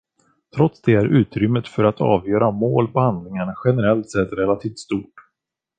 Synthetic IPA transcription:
t̪ʰɾɔt̪sd̪ɛæɾʔʉ̟ːt̪ɾʏmːət̪fœɾat̪ʰɑ̰ːvjœːɾamoːlpʰɔhand̪lɪŋaɳaɧɛnɛɾɛlt̪sɛt̪ːɾɛlat̪ʰiːft̪st̪uːʈ

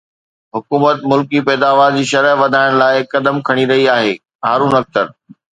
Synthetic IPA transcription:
ɦʊkuːmət̪mʊlkipɛːd̪aːʋaːɾd͡ʑiːʃɐɾəɦʋɐd̪ʱaːɪɽ̃laːɪkɐd̪əmkʰɐɽ̃iɾɐɦiaːɦeː | ɦaːɾuːnɐk̚t̪əɾ

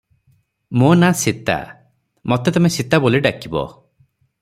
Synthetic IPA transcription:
monasit̪a̰ | mɔt̪et̪ɔmesit̪aboliɖakibɔ̰

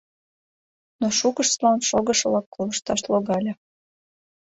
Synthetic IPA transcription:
noʃukəʃslɑnʃoɣəʃəlɑkːoləʃt̪ɑʃloɣɑlʲə

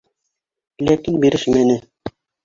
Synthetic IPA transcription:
lækinbiɾɘʃmænɘ

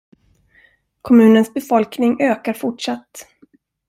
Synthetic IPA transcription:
kʰɔmʉ̟ːnənsbɛfɔlknɪŋøːkaɾfʊʈʂat̪ː

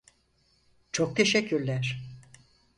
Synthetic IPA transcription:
t͡ʃʰok̚t̪ʰeʃɛcʰːyɾlʲæɾ̥

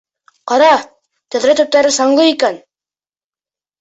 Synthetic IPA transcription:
qɑɾɑ | t̪ɵ̆ðɾɘt̪ɵ̆p̚t̪æɾɘsɑɴlˠɤikæn

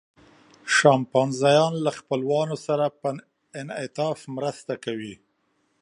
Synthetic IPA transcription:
ʃɑmpɑnzɑjɑnlaxpəlwɑnosaɾapə | ɪnɪt̪ɑfmɾəst̪akawi

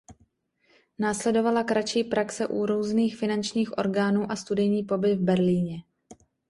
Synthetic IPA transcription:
naːslɛdo̞valakɾat͡ʃiːpɾaksɛʔuɾuːzniːxfɪnant͡ʃɲiːxʔo̞̰ɾɡaːnuːʔast̪udɛjɲiːpo̞bɪvbɛɾliːɲɛ

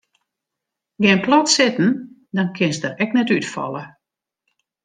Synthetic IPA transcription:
ɡɪnplɔtsɪtn̩ | dɔnkʰɪnsdərɛknɛtytfɔ̰lˠə

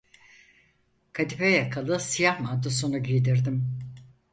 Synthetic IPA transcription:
kʰad̪ifɛjakʰalˠɯsijahmad̪osunuɟijd̪iɾd̪im

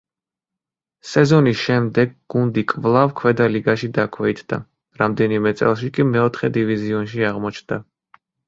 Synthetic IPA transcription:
sɛzɔnisʃɛmd̪ɛɡɡund̪ikʼvlˠavkʰwɛd̪aliɡaʃid̪akʰwɛit̪ʰd̪a̰ | ɾamd̪ɛnimɛt̪sʼɛ̰lˠʃikʼimɛɔt̪ʰχɛd̪iviziɔnʃiaʁmɔt͡ʃʰnd̪a

